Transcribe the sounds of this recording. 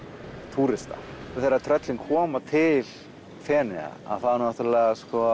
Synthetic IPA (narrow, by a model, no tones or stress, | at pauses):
t̪ʰuːɾɪst̪a̰θejɾat̪ʰɾœt̪lɪŋkʰɔːmat̪ʰɪl | fɛːnɪɣa̰a̰ðθaðnaht̪ʏlɛɣaskɔ